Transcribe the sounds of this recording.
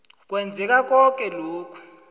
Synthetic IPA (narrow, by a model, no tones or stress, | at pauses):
k̬ʼwɛnd͡zʱɛk̬ak̬ɔk̬ʼɛloːkʰu̥